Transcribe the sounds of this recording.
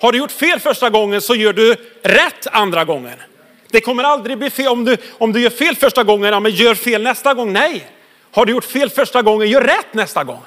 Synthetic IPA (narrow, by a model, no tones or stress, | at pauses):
haɖɵjʊʈːfeːlfœʂʈaɡɔŋːənsɔjœːɖɵɾɛt̪ːand̪ɾaɡɔŋːə̰n | d̪ɛkʰɔmːəɾald̪ɾɪɡ̚bliːfeːlɔmd̪ɵɔmd̪ɵjœːɾfeːlfœʂʈaɡɔŋːənjamɛnjœːɾfeːlnɛst̪aɡɔŋːnɛj | haɖɵjʊʈːfeːlfœʂʈaɡɔŋːənjœːɾːɛt̪ːnɛst̪aɡɔ̰ŋː